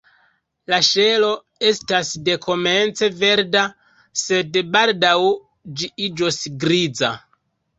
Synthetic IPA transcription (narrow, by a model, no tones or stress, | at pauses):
laʃe̞lo̞ | e̞stasde̞kʰo̞me̞nt͡se̞ve̞ɾda | se̞dbaldaw | d͡ʒiid͡ʒosɡɾid͡za